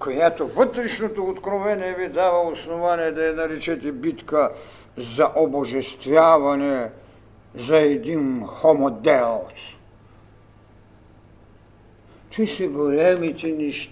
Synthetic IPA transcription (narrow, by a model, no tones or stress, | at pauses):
kojat̪ovt̪ɾiʃnot̪out̪kɾovɛnɛbid̪aʋalosnovanijɛd̪ajɛnaɾit͡ʃɛt̪ɛbit̪ka | zaʔoboʒɛst̪vjaːʋanɛ | zaɛd̪inxomɔd̪ɛlos | t̪ʰisiɡolɛmit̪iniʃ